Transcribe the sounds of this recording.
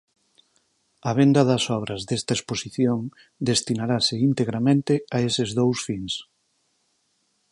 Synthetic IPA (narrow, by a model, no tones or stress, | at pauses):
ɐβ̞end̪ɐðɐsɔβ̞ɾɐzðest̪aesposiθjoŋ | d̪est̪inaɾasɪint̪eɣɾamẽnt̪ɪaesɪzðowsfiŋs